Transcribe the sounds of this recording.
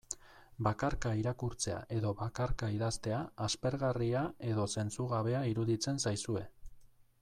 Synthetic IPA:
bakaɾkaiɾakuɾt͡se̞a̰ʔe̞ðo̞βakaɾkaiðast̪e̞aːspe̞ɾɣariae̞ðo̞se̞nt͡suɣaβe̞aiɾuðit͡se̞nsajsue̞

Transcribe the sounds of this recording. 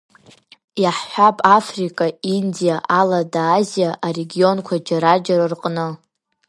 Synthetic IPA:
jaħħʷᶣapʼafrikʼaindijaʔaladaːzijaʔare̞ɡʲio̞nkʷʰad͡ʒaɾad͡ʒaɾarqʼnɨ

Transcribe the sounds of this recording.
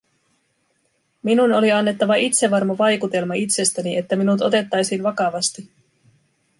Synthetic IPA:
minuno̞liɑnːe̞t̪ːɑʋɑʔit̪se̞ʋɑrmoʋɑjkut̪e̞lmɑit̪se̞st̪æniʔe̞t̪ːæminut̪o̞t̪e̞t̪ːɑjsinʋɑkɑʋɑst̪i

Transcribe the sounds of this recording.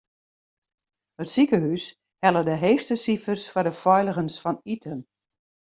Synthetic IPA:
hətsikəɦys | hɛlˠədəɦeːxstəsifərsfɔrdəfɔjləɣənsfɔnitʰən

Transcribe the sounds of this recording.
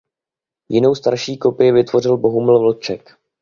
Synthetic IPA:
jɪno̞wst̪aɾʃiːko̞pɪjɪvɪt̪vo̞r̝ɪlbo̞ɦumɪl̩vl̩t͡ʃɛk

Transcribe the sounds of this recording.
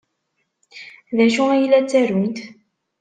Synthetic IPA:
ðæʃuæjilæt͡sːæɾunt̪

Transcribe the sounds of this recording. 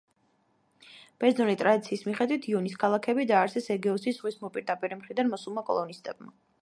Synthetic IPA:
b̥ɛɾzzɔnit̪ʼɾad̪it̪sʰiːsmiχɛd̪wit̪ʰiɔnis̬kʰalˠakʰɛbid̪aːɾsɛsɛɡɛɔsisʁwismɔpʼiɾd̪apʼiɾɛmχɾid̪anmɔsulˠmakʼɔ̰lˠɔnist̪ʼɛ̰b̚ma̰

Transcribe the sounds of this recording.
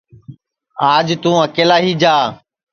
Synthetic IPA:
aːd͡ʒt̪ũːəkeːlaːɦiːd͡ʒaː

